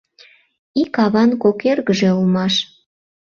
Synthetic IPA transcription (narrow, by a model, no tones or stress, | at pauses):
ikɑβɑnkokerɣəʒeulmɑʃ